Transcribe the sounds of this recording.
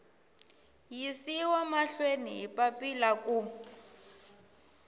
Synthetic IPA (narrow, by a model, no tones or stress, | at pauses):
jisiwɔmaɬweniɦipapilaku